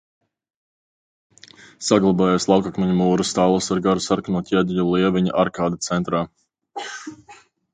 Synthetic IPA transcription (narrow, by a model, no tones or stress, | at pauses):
saɡlˠabaːjaslˠawkakmɛɲumuːɾust̪aːlˠasaɾɡaɾusaɾknuɔt̪ʲɛd̪ʲʎulˠiɛviɲa̰ʔaɾkaːd̪at̪sɛnt̪ɾaː